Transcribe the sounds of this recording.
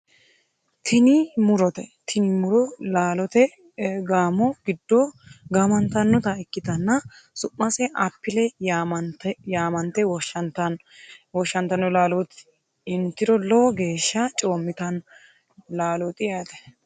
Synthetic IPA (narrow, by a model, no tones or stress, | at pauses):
t̪ʰɪnɪmʊɾɔt̪ɛt̪ʰɪnɪmʊɾɔlaːlɔt̪ɛ | ɡaːmɔɡɪd̪ːɔɡɐmɐnt̪ɐnːɔt̪ɐɪkːɪt̪ɐnːɐsʊʔːɐsɛʔɐpːɪlɛmɐnt̪ɛjaːmɐnt̪ɛwɔʃɐnt̪ɐn | wɔʃːɐnt̪ɐnɔlaːlɔt̪ | ɪnt̪ːɪɾɔlɔɡe̞ːʃːɐt͡ʃʼoːmːɪt̪ɐn | laːlɔt̪ʼɪjɐt̪ɛ̥